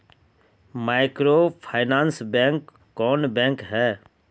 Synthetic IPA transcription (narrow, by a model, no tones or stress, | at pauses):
maːɪkɾopʰaːɪnãːnsbɛ̃ːŋkː | ɔːnbɛ̃ːŋkɦɛː